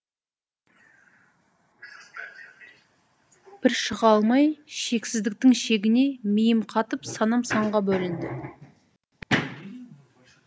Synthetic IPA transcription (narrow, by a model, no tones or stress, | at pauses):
b̥ɪɾʃəʁɑlˠmɑjʃe̞ksɪzd̪ɪk̚t̪ɪŋʃe̞ɡʲɪne̞mijɪmqʰɑt̪əpsɑnɑmsɑɴʁɑbɵlɪnd̪ɪ